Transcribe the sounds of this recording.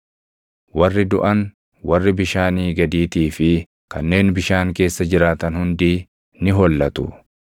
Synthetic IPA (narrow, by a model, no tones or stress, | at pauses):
wɐrːɪd̪ʊʔɐn | wɐrːɪbɪʃaːniːɡɐd̪iːt̪iːfɪ | kɐnːe̞ːnbɪʃaːŋke̞ːsːɐd͡ʒɪɾaːt̪ɐnhʊnd̪iː | nɪɦɔlːɐt̪ʊ̰